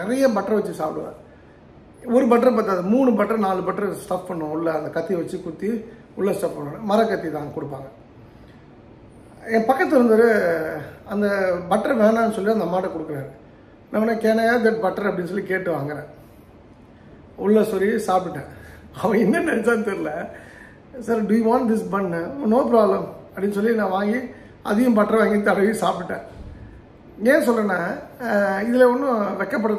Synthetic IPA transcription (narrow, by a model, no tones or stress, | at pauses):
nɪɾɐjɐbɐʈːɐɾɐ̃ʋɐt͡ʃːɯsaːpɪɽɯʋã̰ː | ɔɾɯbɐʈːɐɾɐ̃paːɾt̪ːaːðɯmuːɳɯbɐʈːɐɾɐ̃naːlɯbɐʈːɐɾɐsʈɐppɐɳːʊ̃ʊlːɐɐnd̪ɐkɐt̪ːiʋɐt͡ʃːɯkʊt̪ːi | ʊɭːɐsʈɐppːɐɳːɐnmɐɾɐkːɐt̪ːit̪ãːkɔɽɯpːaːŋɡɐ | ɛ̃ːpɐkːɐt̪ːɪɾɯnd̪ɐðɯ | ɐnd̪ɐbɐʈːɐɾɐʋeːnãːnːɯsɔlːɪɐnd̪ɐmaːʈːɐkɔɽɯkːɐɾaːɾ | nʔɐʋɐnːaːkeːnajaːd̪ɐʈ̚bɐʈːɐɾɐpɐɽɪns̬ɔlːikeːʈːɯʋaːŋɡɐɾẽː | ʊɭːɐsɔɾisaːpɪʈːẽː | ɐʋɐ̃ɪnːɐnɐɾt͡ʃaːɾt̪ɛɾɯlɐ | sɐɾɖʊjiʋãːnʈd̪ɪsbɐnnoːp̬ɾaːblɐmɐpɽɪnːɯs̬ɔlːinãːʋaːŋɡi | ʔɐ̰ðɪjʊ̃mbɐʈːɾɐʋaːŋɡit̪ɐɽɐʋɪsaːp̬ɪʈːẽː | ẽːs̬ɔlːɾɐnːaː | ɪðɪlɐɔnːɯ̃ʋɛkːɐp̬ːɐɽɐ